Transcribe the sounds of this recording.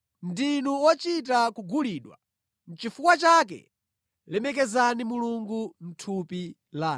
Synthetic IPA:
ndinuwɔt͡ʃit̬akuɡuliːɗwa̰ | n̩t͡ʃifukwat͡ʃak̬ɛ̰ | lɛmɛkɛzanimuluŋɡun̩tʰupi | laː

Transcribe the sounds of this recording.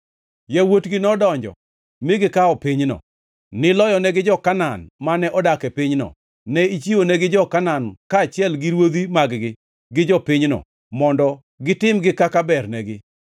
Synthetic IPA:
jawotɡɪnɔdɔɲd͡ʒɔ̰ | mɪɡɪkaɔpɪɲnɔ̰ | nɪlɔjɔnɛɡɪd͡ʒɔkananmanɛʔɔdakɛpɪɲnɔ̰ | nɛit͡ʃionɛɡɪd͡ʒɔkanankaːt͡ʃɪɛlɡɪɾwod̪imaɡɡɪ | ɡɪd͡ʒɔpɪɲnɔ̰ | mɔndɔ | ɡɪtɪmɡɪkakabɛrnɛɡɪ

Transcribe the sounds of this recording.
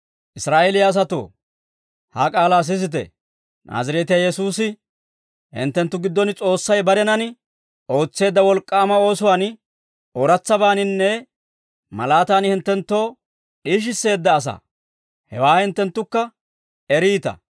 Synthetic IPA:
ʔɪsɾaːʔeːlɪjaːs̬ɐt̪o̰ː | ha̰kʼaːlaːs̬ɪs̬ɪt̪̬ɛ̰ | nʔa̰ːzɐɾɛːt̪ɪjajɛsuːsɪ | hɪ̰nt̪ːɛnt̪ːʊɡɪd̪ːɔnɪt͡sʼo̞ːsːɐjbɐɾɛnɐnɪ | ʔo̞ːt͡sːe̞ːd̪ːɐwɔlkʼːaːmɐo̞ːsʊwaːn | oɾɐt͡sːɐbaːnɪnːɛ | mɐ̰laːt̪aːnhɪnt̪ːɛnt̪ːo̞ː | ᶑiːʃ̬ɪsːe̞ːd̪ːɐːs̬ɐ̰ | hɛwaːhɪnt̪ːɛnt̪ːʊkːɐ | ɛɾiːt̪ɐ̰

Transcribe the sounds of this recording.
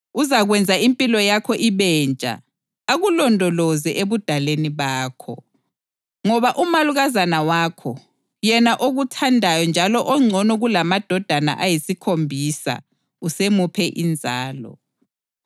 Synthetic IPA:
uzaɣwɛnd͡zʱaimpʼilɔjakʰɔʔiβɛːnt͡ʃʼa̰ | aɣulɔndʱɔlɔzɛʔeβud̥ʱaleniβaːkʰɔ | ŋɔβaʔumaluɣazanawaːkʰɔ | jɛnaʔoɣutʰandʱajɔnd͡ʒʱalɔʔɔŋ͡ǀʱɔnɔɣulamad̥ʱɔd̥ʱana̰ʔajisikʰombʱisa̰ | usemupʰɛʔind͡zʱaːlɔ̰

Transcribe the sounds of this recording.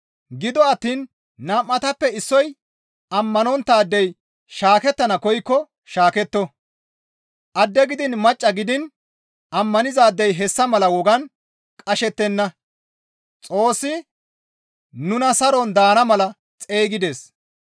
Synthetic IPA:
ɡɪd̪ɔɐt̪ːiːnː | ɐmːɐt̪ɐpːɛɪsːɔj | ɐmːɐnɔnt̪ːaːd̪ːɛj | ʃaːkɛt̪ːɐnɐkɔjkːɔ | ʃaːkɛt̪ːɔ | ʔɐd̪ːɛɡɪd̪ɪnmɐt͡ʃʼːɐɡɪd̪ɪn | ʔɐmːɐnɪzaːd̪ːɛjɦɛsːɐmɐlɐwɔɡɐn | kʼɐʃɛt̪ːɛnːɐ | t͡sʼo̞ːsːɪ | nʊnɐsɐɾɔnd̪aːnɐmɐlɐ | t͡sʼe̞ːɡɪd̪e̞ːs

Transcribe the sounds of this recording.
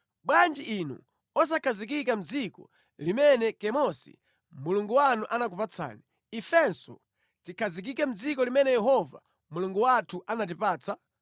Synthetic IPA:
ɓwand͡ʒiʔinṵ | ɔs̬akʰazik̬ikam̩d͡zikɔ̰ | limɛnɛkɛmɔsḭ | muluŋɡuwanuʔanak̬upat͡sʰa̰ːni | ifɛnsɔ̰ | tikʰazik̬ikɛm̩d͡zikɔlimɛnɛjɛɦɔva̰ | muluŋɡuwatʰuʔanat̬ipaːt͡sa

